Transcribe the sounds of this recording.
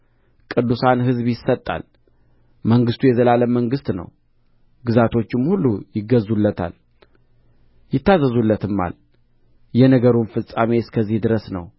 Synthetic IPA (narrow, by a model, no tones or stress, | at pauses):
kʼɨd̪ːusanɦɨzβjɪsət̪ʼːa̰l | məŋɡɨst̪ʰujɛzəlaləməŋɡɨst̪nə̰w | ɡɨzat̪ʰo̞t͡ʃːɪmhulːujɪɡːəzulːət̪ʰa̰l | jɪt̪ːazəzulːət̪ʰɨmːa̰l | jɛnəɡəɾunfɨsʼameskʰəzːihd̪ɨɾəsnə̰w